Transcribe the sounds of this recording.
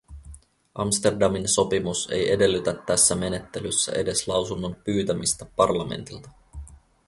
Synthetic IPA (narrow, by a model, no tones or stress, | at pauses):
ʔɑmst̪e̞rdɑminso̞pimuse̞̰je̞de̞lːyt̪æt̪ːæsːæme̞ne̞t̪ːe̞lysːæ̰ʔe̞de̞slɑwsunːo̞mpyːt̪æmist̪æpɑrlɑme̞̰nt̪ilt̪ɑ̥